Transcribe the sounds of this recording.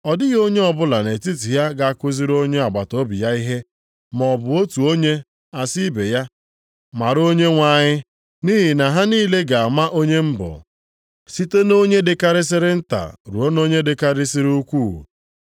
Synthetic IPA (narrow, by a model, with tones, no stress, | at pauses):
ɔ˨dɪ˦ɣo˦ɲe˦ɔ˨bʊ˦la˨ne˨ti˦ti˨ja˦ɡa˨a˦˨kʊ˦zi˦ɾo˦ɲe˦a˨ɡ͡ba˨to˦bi˨ja˦i˦ɦe˦ | mɔ˨bʊ˨o˦tu˨o˦ɲe˦ | a˨si˦be˨ja˦ | ma˨ɾo˦ɲe˦ŋʷa˨ɲɪ˦ | niː˦ɦi˨na˨ɦa˦niː˦le˦ɡa˨a˨ma˦ʔo˦ɲe˦m̩˦bɔ̰˨ | si˦te˦no˦ɲe˦dɪ˨ka˦ɾɪ˦s̬ɪ˦ɾɪ˦n̩˦ta̰˨ɾu˨o˦no˦ɲe˦dɪ˨ka˦ɾɪ˦sɪ˦ɾu˦kʷṵː˦˨